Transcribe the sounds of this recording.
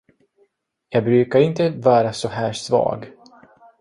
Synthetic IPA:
jɑːɡ̚bɾʉ̟ːkaɾɪnt̪əvɑːɾasɔɦæːʂvɑ̰ːɡ

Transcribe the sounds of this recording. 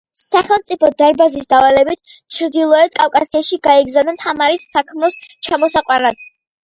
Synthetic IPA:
saχɛlˠmt̪sʼipʰɔd̪aɾbazisd̪avalɛbit̪ʰt͡ʃʰɾd̪ilˠɔɛd̪̚kʼafkʼasiaʃiɡaɛɡzanɛnt̪ʰamaɾisːakʰmɾɔst͡ʃʰamɔsaqʼwanad̪̥

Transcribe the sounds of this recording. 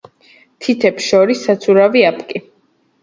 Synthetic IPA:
t̪ʰit̪ʰɛpsʃɔɾisːat̪sʰuɾaviapʰʼkʼi

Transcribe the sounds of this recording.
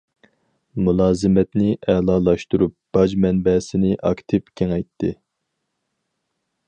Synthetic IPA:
mulˠɑːzɨmɛt̪nɪʔɛːlˠɑːlˠɑʃt̪uɾup̚b̥ɑd͡ʒmɛnbɛsɪnɪʔɑkt̪ʰɪpkʲʰeŋɛjt̪ʰːɪ

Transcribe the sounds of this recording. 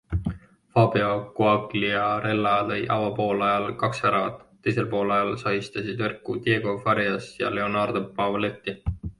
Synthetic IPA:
fɑbeɑkuɑkliɑɾe̞lːɑlɤjʔɑvɑpo̞ːlɑjɑlkɑksæɾɑvɑ̰t̪ˑːe̞jse̞lpo̞ːlɑjɑlsɑist̪ɑsid̪verkːˑut̪je̞ːɡ̥o̞fɑɾjɑsjɑ̰le̞o̞nɑrd̪̥opːɑvle̞t̪ːi

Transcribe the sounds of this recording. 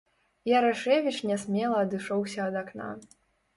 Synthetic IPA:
jaɾaʂɛvʲit͡ʂnʲɛsʲmʲɛlˠɐːd̪ɨʂɔwsʲɐːd̪akna̰

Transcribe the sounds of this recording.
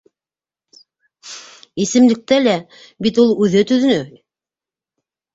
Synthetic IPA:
isɘ̆mlɘ̆k̚t̪ælæ | bit̪ulˠʉðɘt̪ɵ̆ðɘ̆nɵ

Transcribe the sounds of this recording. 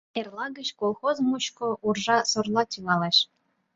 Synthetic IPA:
erlˠɑɡə̆ɕkolˠxozmuɕkŏʔurʒɑsorlˠɑt̪ʲyɣɑleɕ

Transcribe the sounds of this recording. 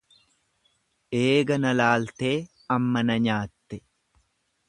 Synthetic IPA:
ʔe̞ːɡɐnɐlaːlt̪e̞ː | ɐmːɐnɐɲaːt̪ːɛ

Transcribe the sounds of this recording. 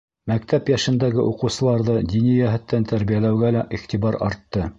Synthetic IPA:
mæk̚t̪æpjæʃɘ̆nd̪æɡɘʔuqɤ̆wsɤ̆lˠɑɾðɤd̪ʲinijæɦɘ̆t̪ːænt̪æɾβijælæwɡælæʔiχt̪ibɑɾɑ̰ɾt̪ːɤ

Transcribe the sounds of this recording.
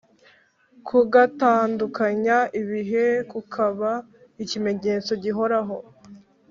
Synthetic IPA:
kʰuɡataːndukaɲaʔiβiɦe̞kukʰaβa | icime̞ɲe̞ːt͡so̞ɟiɦo̞ɾaɦo̞

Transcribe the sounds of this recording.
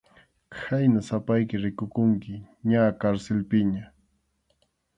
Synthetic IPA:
kʰajnasapajkɪɾɪkʊkʊŋkɪ | ɲakaɾsɪlpɪɲa

